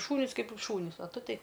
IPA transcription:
ˈʃuːnʲiːs ˈkɐɪp ʃuːˈnʲiːs oː ˈtʊ ˈtʲɛɪ

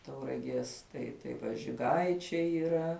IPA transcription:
tɐʊrɐˈɡʲiɛs ˈtɐɪ tɐɪ ˈʋɐ ʒʲɪˈɡɐɪt͡ʃʲɛɪ iːˈrɐ

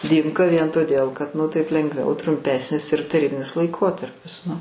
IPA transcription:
ˈdʲiːmkɐ ʋʲiɛn toːˈdʲeːlˠ kɐt nʊ ˈtɐɪp lʲɛŋɡˈʋʲɛʊ trʊmʲˈpʲæːsʲnʲɪs ɪr tɐˈrʲiːbʲɪnʲɪs lˠɐɪˈkoːtɐrʲpʲɪs nʊ

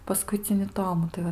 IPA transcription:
pɐˈskʊɪt͡sʲɪnʲɪ ˈtoːmʊ tɐɪ ˈʋɐ

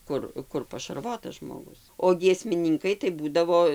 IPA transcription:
ˈkʊr ˈkʊr pɐʃɐrˈʋoːtɐs ʒmoːˈɡʊs oː ɡʲiɛsʲmʲɪˈnʲɪŋkɐɪ tɐɪ ˈbuːdɐʋoː

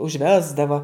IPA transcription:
ʊʒʲˈʋʲæːzdɐʋoː

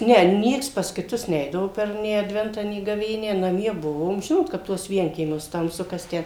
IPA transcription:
ˈnʲɛ ˈnʲiɛks pɐs kʲɪˈtʊs ˈnʲɛɪdɐʋoː pʲɛr nʲeː ɐdʲˈʋʲɛntɑː nʲeː ɡɐˈʋʲeːnʲæː nɐˈmʲiɛ ˈbʊʋoːm ˈʒʲɪnoːt kɐp ˈtuɔs ˈʋʲiɛŋʲkʲiɛmʲuɔs tɐmˈsʊ kɐs ˈtʲæː

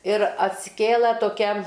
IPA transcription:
ɪr ɐtʲsʲɪˈkʲeːlˠɐ toːˈkʲɛ

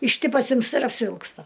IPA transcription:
ɪʃ ˈtʲiː pɐsʲɪmsˈtɐ ɪr ɐpʲsʲɪʋʲɪlˠksˈtɐ

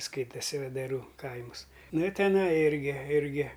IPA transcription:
ˈskɐɪtɐsʲɪ ʋʲɛdɐˈruː ˈkɐɪmʊs ˈnʊ ɪ tʲɛˈnɐɪ ˈɪrʲɡʲɪ ˈɪrʲɡʲɪ

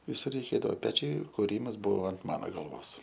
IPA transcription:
ʋʲɪˈsʊr rʲɛɪˈkʲeːdɐʋoː ˈpʲæːt͡ʃʲɛɪ kʊˈrʲiːmɐs ˈbʊʋoː ɐnt ˈmɑːnoː ɡɐlˠˈʋoːs

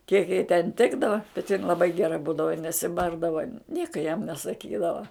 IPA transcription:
kʲiɛk jɛɪ tʲɛn ˈtʲɪɡdɐʋɐ bʲɛt jɪn lˠɐˈbɐɪ ɡʲɛˈrɐ ˈbuːdɐʋɐ ɪ nʲɛsʲɪˈbɐrdɐʋɐ ˈnʲiɛkɐ jɛm nʲɛsɐˈkʲiːdɐʋɐ

